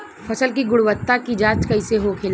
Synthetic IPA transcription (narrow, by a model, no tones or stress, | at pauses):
fʰɐsəlkiɡʊɽwət̪ːakid͡ʒaːt͡ʃkaɪseɦokʰeːl